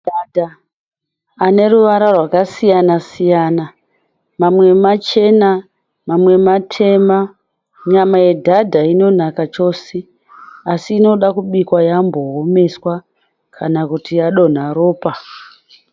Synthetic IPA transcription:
dadʱa | ane̞ɾuʋaɾarwakasijanasijana | mamwe̞mat͡ʃe̞na | mamwe̞matʰe̞ma | ɲamaje̞dʱadʱaino̞nakat͡ʃo̞se | asiːno̞ɗakuɓikwajambo̞ɦome̞swa | kʰanakutijaɗo̞n̤aɾo̞ːpa

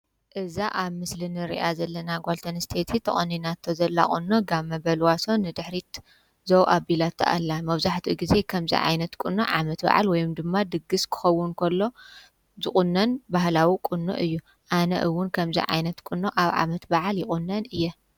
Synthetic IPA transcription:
ʔɨzaʔaβmɨslɨnɨɾḭʔazɐlːɐnaɡʷalt̪ʰɐnst̪ʰet̪ʰit̪ʰɐχʼɐnːinat̪ʰːozɐlːa̰kʼṵnːoɡamːɐbɐlwaso̞nːɨd̪ɨħɾit̪ | zowʔabilat̪ʰːɐ̰ʔa̰lːamɐβzaħt̪ʰiɡize̞kʰɐmzḭʕa̰jnɐt̪kʼunːo̰ʕa̰mɐt̪ba̰ʕa̰lwɔjumd̪ɨmːad̪ɨɡɨskʰɨ̥xɐwːʊnkʰɐlːo̞ | zɨχʼunːɐnbahlawikʼunːo̰ʔɨjːu | ʔanɐ̰ʔɨwːʊnkʰɐmzḭʕa̰jnɐt̪kʼɨnːoʔaβʕa̰mɐt̪baʕaljɪχʼʊnːɐnɨjːɛ

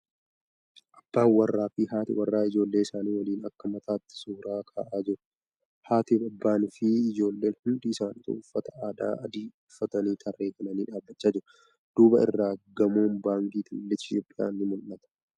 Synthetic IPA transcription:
ʔɐbːaːnwɐrːaːfɪɦaːt̪ɪ̰wɐrːaːɪd͡ʒo̞ːlːe̞ːɪsaːniːwɐliːnɐkːɐmɐt̪ʰaːt̪ːɪ̥suːɾaːkʰa̰ːʔaːd͡ʒɪɾʊ | haːt̪ɪbɐbːaːnɪfɪɪd͡ʒo̞ːlːe̞ːnhʊnd̪iɪsaːniːt̪ɐ̰ʊfːɐt̪ɐaːd̪a̰ːɐd̪iːʊfːɐt̪ɐniːt̪ʰɐrːe̞ːfɐnɐniːᶑaːbːɐt͡ʃːaːd͡ʒɪɾʊ | d̪̥uːbɐ̰ɪ̰rːaːɡɐmo̞ːnbaːŋkiːt̪ɪlːɛɪt̪joːpʼɪja̰ːnːɪmʊlːɐt̪ɐ̥

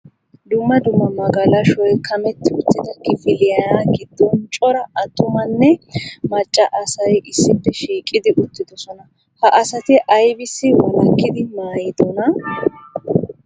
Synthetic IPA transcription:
d̪ʊmːɐd̪ʊmːɐmɐɡɐlɐʃɔjkʰɐmɛt̪ːɪʊt̪ːɪd̪ɐkɪfɪlɪjɐnaɡɪd̪̥ːɔnt͡ʃʼɔɾɐɐt̪ːʊmɐnːɛmɐt͡ʃʼːɐʔɐsɐjʔɪsːɪpːɛʃiːkʼːɪd̪ɪʔʊt̪ːɪd̪ɔsɔnɐ | hɐʔɐsɐt̪ɪʔɐjbɪsːɪwɔlɐkːɪd̪ɪmaːjɪd̪ɔnɐ

